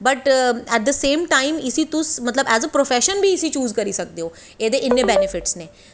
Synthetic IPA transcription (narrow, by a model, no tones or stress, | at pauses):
bɐʈɛʈ̚d̪əsẽːmʈaːɪmɪsit̪ʊsmɐt̪ləbɛːzəpɾofɛːʃənbʱiɪsit͡ʃuːzkɐɾiːsɐk̚d̪eoː | eːd̪eʔɪnːebɛnɪfɪʈsneː